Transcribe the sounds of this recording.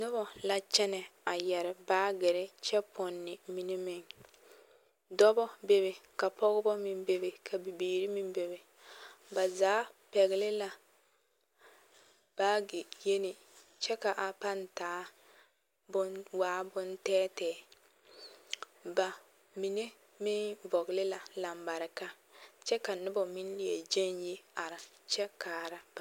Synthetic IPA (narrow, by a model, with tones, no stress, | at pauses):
nʊ˦bɔ˨la˦t͡ʃɛ˦nɛ˨a˨jɛ˨ɾɪ˨baː˦ɡɪ˨ɾɪ˦t͡ʃɛ˦pʰʊ˨nːɪ˨mi˨ne˦mɪ˨ŋ | dɔ˦bɔ˦be˦βɪ˨ka˨pɔ˦ɣʊ˦bɔ˦mɪ˨mbe˨bɪ˨kʰa˨bi˨beː˨ɾi˦mi˦mbe˨bɪ˨ | ba˨zaː˦pɛ˨ɣɪ˨lɪ˦la˦ | b̥aː˦ɡɪ˨je˦nɪ˨ | t͡ʃɛ˦ka˨ʔa˨pa˦ntaː˨˦ | bʊ˦nwaː˦bʊ˦ntɛː˦tɛː˨˦˨ | ba˨ | mi˨ne˦ | mɪ˦nvɔ˨ɡɪ˨lɪ˦la˨la˨mba˨ɾɪ˨ka˦ | t͡ʃɛ˦ka˨nɪ˦bɔ˨mɪ˦n˦lɪ˨ɛ̰˨d͡ʒe˦nje˦a˨ɾɪ˨ | t͡ʃɛ˦kaː˨ɾa˦